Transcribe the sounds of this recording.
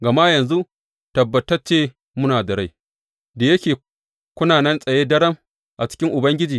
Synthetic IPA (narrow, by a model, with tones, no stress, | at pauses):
ɡɐ˨ma˦jɐ˨nzu˦ | tɐ˨bːɐ˨tɐ˦t͡ʃeː˦ | mʊ˦naː˨dɐ˨ɽa˦j | da˨jɐ˦kʲeː˨ | kʷʊ˦naː˨nɛ˦nsʼɐ˨jeː˦dɐ˦ɽɐ˦m | ʔa˨t͡ʃɪ̥˦kʲɪ˦ŋʔʊ˨bɐ˦ŋɡʲɪ˦d͡ʒiː˨